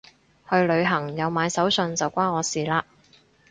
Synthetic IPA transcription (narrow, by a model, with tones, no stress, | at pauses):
hɵ˧ɥlɵ˨˧ɥɦɐ˨˩ŋjɐ˨˧wmaː˨˧jsɐ˨˥wsɵ˧nt͡sɐ˨wkʷaː˥nɔː˨˧siː˨˩laː˧